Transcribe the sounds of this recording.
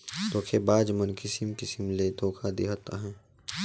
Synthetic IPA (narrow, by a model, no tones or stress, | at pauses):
t̪oːkʰebaːd͡ʒmənkɪsɪmkɪsɪmlet̪oːkʰad̪iɦat̪a̰ɦɛ̃ː